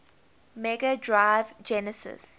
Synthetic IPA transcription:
mɛɡadɹaɪvd͡ʒɛnəsɪ̰s

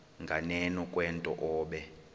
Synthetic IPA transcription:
ŋɡʱanɛnɔkʼwɛntʼɔ̰ʔɔːɓɛ

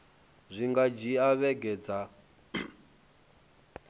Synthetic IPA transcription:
zʷiŋɡad͡ʒiaβɛɡɛd͡za

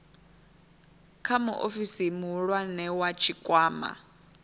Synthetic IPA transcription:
kʰamuʔofisimuɺwanɛwat͡ʃʰikʼwaːma̰

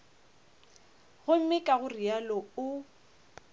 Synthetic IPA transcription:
ɣʊm̩mɪkʼaɣʊrialɔʊ

